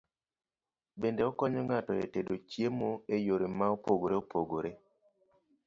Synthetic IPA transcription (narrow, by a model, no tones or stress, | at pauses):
bendeɔkɔɲɔŋatɔḛtedot͡ʃjemoejoɾemaopoɡoɾeopoɡoɾe